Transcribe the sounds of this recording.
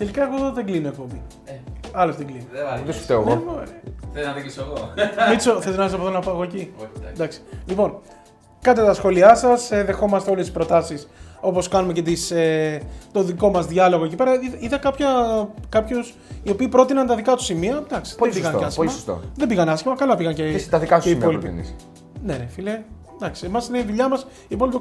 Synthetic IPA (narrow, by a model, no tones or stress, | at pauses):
t̪e̞likɐe̞ɣo̞eðoðeɡlino̞ek̚pombi | ɐlozðeŋɡlinid̪est̪eoɣoo | iisɣoisoθelt̪inɐisɐpoðonɐpoɐɣocid̪ɐksi̥lipo̞n | kɐt̪et̪ɐsxo̞liɐsɐseðe̞xo̞mɐst̪eo̞lest̪i̥spɾo̞t̪ɐsiso̞po̞skɐnumece̞t̪iset̪o̞ðiko̞mɐzðʝɐlo̞ɣoe̞cipe̞ɾɐiiðɐkɐpçɐkɐpços | io̞piːpɾo̞t̪inɐnt̪ɐðikɐt̪u̥simiɐd̪ɐksi̥ðebiɣɐnɐsçlmɐst̪o̰ðebiɣɐnɐsçimɐkɐlɐpiɣɐncet̪ɐðikɐueimpolipḭn̰s | nenefile | d̪ɐksiemɐsineiðuʎɐmɐs | ipo̞lipi